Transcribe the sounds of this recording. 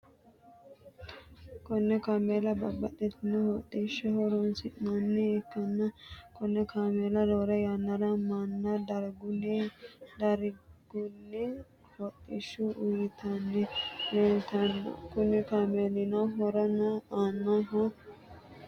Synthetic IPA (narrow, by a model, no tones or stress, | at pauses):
kɔnːɛkameːlɐbɐbɐt̪ʼːɛt̪ɪnːɛhɔt̪ʼːiʃɛhɔɾɔnsɪnɐnːɛːkːɐnːɐkɔnːɛkaːmeːlɐd̪oːɾɐjanːɐɾɐmɐnːɐd̪ɐɾɡʊnɛd̪ɐɾɡ̥ʊnːɛ | hɔt̪ʼːɪʃːʊʔʊjɪt̪ɐnːɛleːlt̪ɐnːɔ̰kʊnɪkaːmeːlɪnɐwɦɔɾɐnɐaːnːɐɦɔ